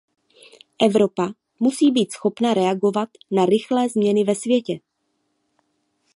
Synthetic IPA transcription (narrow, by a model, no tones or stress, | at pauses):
ʔɛvɾo̞pa | musiːbiːt̪sxo̞pnaɾɛaɡo̞vat̪naɾɪxlɛːzmɲɛnɪvɛsvjɛcɛ